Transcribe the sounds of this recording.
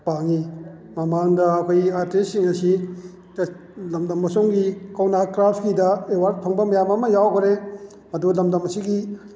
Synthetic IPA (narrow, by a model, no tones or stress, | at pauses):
paŋi | mɐmaŋdɐːkʰojaɾtesiŋɐsi | lɐmdɐmːɐsoŋɡikɐwnakɾapʰkidɐewaɾ̚pʰɐŋbɐmɐjamɐmɐjawkʰɾe | mɐdulɐmdɐmɐsiɡi